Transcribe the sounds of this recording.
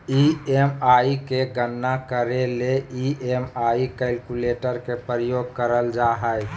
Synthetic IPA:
iemaikeɡənːakəɾeleiʔemaikɛlkuleʈəɾkepɾəjoɡ̚kəɾəld͡ʒaɦəj

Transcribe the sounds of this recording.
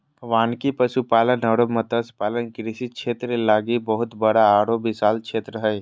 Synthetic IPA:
ʋaːnkipəʃupaːlənəɽomət̪əspaːlənkɾɪsiʃʰeːt̪ɾelaːɡibəɦʊt̪bəɽaːɽobɪsaːlt͡ʃʰeːt̪ɾəɦɛː

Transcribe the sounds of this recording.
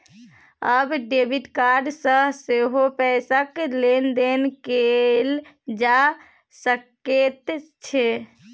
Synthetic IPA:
əbɖebiʈkaɾɖsə̃seɦopɛsəklend̪enkel | d͡ʒa | səket̪t͡ʃʰe

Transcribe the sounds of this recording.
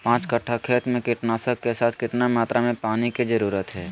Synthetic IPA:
pãːt͡ʃkəʈʰːakʰeːt̪mẽkɪʈnaːsəkkesaːt̪ʰkɪt̪namaːt̪ɾamẽpaːnikizəɾuːɾət̪ɦɛː

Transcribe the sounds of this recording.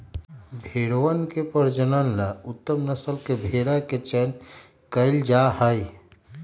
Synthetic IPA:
bʱeɽowənkepəɾd͡ʒənəlːaut̪ːəmnəsəlkebʱeɽaket͡ʃɛn | kəɪld͡ʒaɦəj

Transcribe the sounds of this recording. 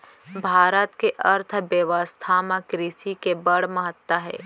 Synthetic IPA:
bʱaːɾət̪keʔɐɾt̪ʰbjeʋəst̪ʰaːmãkɾiːsikebəɽ̤məɦət̪waɦɛ̰ː

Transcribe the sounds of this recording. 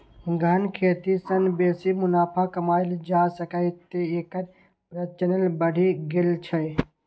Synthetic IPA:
ɡʱɐnkʰeːt̪isɐnbeːsimʊnaːpʰakɐmaːɪld͡ʒaːsəkəɪt̪ːeeːkəɾ | pɾət͡ʃənəlbəɽʱiɡɪlt͡ʃʰɐ

